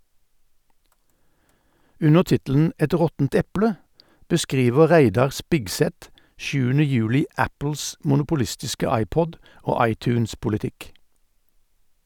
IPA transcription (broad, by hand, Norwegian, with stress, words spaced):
ˈʉnəʁ ˈtɪtl̩n̩ ˈɛt ˈʁɔtn̩t ˈɛpɽə bəˈskʁiːʋə ˈʁæɪdɑʁ ˈspɪɡsɛt ˈʃʉːənə ˈjʉːlɪ ˈæpl̩s mʊnʊpʊˈlɪstɪskə ˈɑɪˌpɔd ˈoː ˈɑɪˌtʉːnspʊlɪˌtɪk